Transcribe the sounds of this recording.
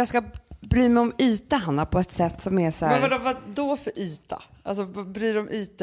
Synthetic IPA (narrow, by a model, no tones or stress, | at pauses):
jɑːɡskabɾyːmɛjɔmyːt̪aɦanːapʰɔɛt̪sɛt̪ːsɔmɛʂæːavaɖɔvad̪ɔfœɾʔyːt̪ʰa̰ | als̬ɔvabɾyːɖɔmʔyːt̪